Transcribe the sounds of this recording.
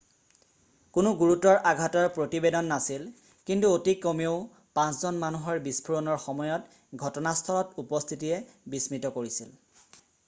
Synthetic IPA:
kʊnʊɡuɹutɔɹʔaɡʱatɔɹpɹotibedɔnːasil | kintuotikomioʊ | pãnszɔnmanuɦɔɹbispʰuɹɔnɔɹxɔmɔjɔt | ɡʱɔtɔnast̪ʰɔlɔtupɔst̪ʰitijɛbismɹitɔkoɹisil

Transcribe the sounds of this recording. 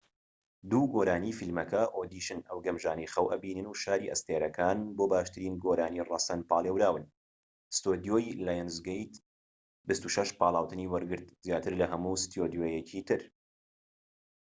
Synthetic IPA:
d̪uːɡoːɾaːniːfilmɐkʰɐʔoːd̪iːʃɨnɐwɡɐmʒaːnɐjxɐwʔɐbiːnɨnuʃaːɾiːʔɐ̰st̪eːɾɐkʰaːnboːbaːʃt̪ɨɾiːnɡoɾaːniːrɑsɐnpaːlˠeːwɾaːwɨn | st̪od̪ijoːjlaːjɛnzɡejt̪ | bɨst̪uʃɐʃpɑːlˠaːwt̪ɨniːwɐɾɡɨɾt̪̚zjaːt̪ʰɨɾlɐɦɐmuːst̪joːd̪joːjɛcʰiːt̪ʰɨɾ

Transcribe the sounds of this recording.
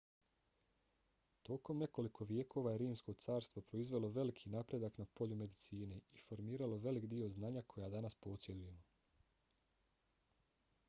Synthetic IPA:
t̪o̞ko̞mne̞ko̞likʰo̞ʋje̞ːkʰo̞ːʋajeɾiːmsko̞t̪saːɾst̪ʋo̞pɾo̞izʋe̞lˠo̞ʋe̞likʰinaːpɾe̞d̪aknapo̞ʎume̞d̪it̪siːne̞ifo̞ɾmiːɾalo̞ʋe̞likd̪io̞znaːɲakʰo̞jad̪anaspo̞t̪sje̞d̪uje̞mo

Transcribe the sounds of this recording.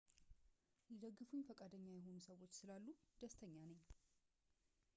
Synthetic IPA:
jɛd̪əɡːɨfuɲːfəkʼad̪əɲːajɛɦo̞nusəwo̞t͡ʃːsɨlalːud̪̥əst̪ʰəɲːanəɲː

